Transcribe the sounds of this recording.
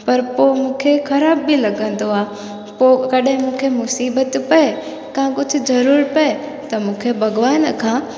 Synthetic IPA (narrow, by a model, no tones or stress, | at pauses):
pɐɾpomũːkʰexɐɾaːbːilɐɡə̃n̆d̪oaː | pokɐɗɦɪ̃mũːkʰemʊsiːbət̪pɐe | kãkʊd͡ʒʱʊzɐɾuːɾpɐe | t̪ɐmũːkʰebɐɡʋaːnkʰãː